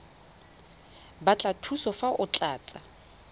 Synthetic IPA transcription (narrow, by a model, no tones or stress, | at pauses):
bat͡ɬʼatʰusɔfaʔʊt͡ɬʼaːt͡sʼa